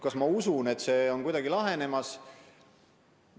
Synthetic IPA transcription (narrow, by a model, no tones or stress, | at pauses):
kɑsmɑusune̞t̪ːse̞ːo̞nkujd̪̥ɑɡilɑɦe̞ne̞mɑs